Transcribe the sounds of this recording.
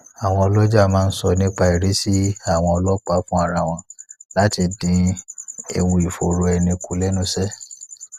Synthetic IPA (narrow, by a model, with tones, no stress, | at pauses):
a˨w̃ɔ̃˧ɔ˧lɔ˦d͡ʒa˦˨mãː˦n̩˦sɔ˧nĩ˦k͡pa˧i˨ɾe˨˦si˦a˦˨w̃ɔ̃˧ɔ˧lɔ˦k͡pa˦fũ˦a˦˨ɾa˧˨w̃ɔ̃˧la˨˦ti˧dĩ˧˦ | ḛ˧wũ˧i˨fo˨ɾo˧ɛ˧nĩ˧ku˨˦lɛ˦nũ˦sɛ˦